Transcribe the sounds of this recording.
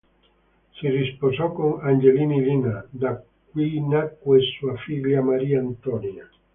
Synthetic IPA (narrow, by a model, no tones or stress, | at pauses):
sirisposɔkoŋand͡ʒelinilinad̪a | k̚winakwesuafiʎːamaɾiːaːnt̪ɔnja